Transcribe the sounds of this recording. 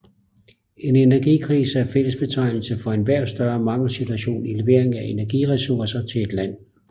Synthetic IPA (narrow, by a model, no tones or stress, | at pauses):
e̝nenæɐɡ̥ikʰʁiːsəæɐfel̰əsb̥e̝t͡sʰɑ̈ɪ̰nl̩səfɒ̽e̝nʋæɐ̰d̥sd̥ɶːɐmɑ̈ŋl̩sit͡sʰuæɕo̝̰ːnileʋe̝ɐeŋæe̝næɐɡ̥iʁɛsuɐsɐt͡sʰe̝le̝d̥læn̰